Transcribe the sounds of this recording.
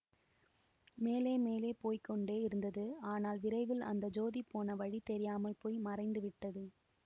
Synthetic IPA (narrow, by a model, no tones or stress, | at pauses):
meːleːmeːleːpoːjkːɔɳɖeːɪɾɯnd̪ɐðɯaːnaːlʋɪɾɐɪʋɪlɐ̰nd̪ɐd͡ʒoːðipoːnɐʋɐɻit̪ɛɾɪjaːmɐlpoːjmɐrɐɪnd̪ɯʋɪʈːɐðɯ